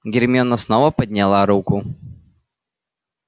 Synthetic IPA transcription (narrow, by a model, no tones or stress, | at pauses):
ɡʲɪɾʲmʲɔnɐsnɔʋɐpɐd̪ʲnʲɛlˠaɾukʊ